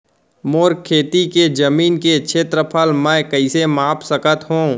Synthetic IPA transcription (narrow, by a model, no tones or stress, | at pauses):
moːɾkʰːeːt̪iked͡ʒɐmiːnket͡ʃʰeːt̪ɾəpʰəlmɛ̃ːkəɪsemaːpsəkət̪ɦũː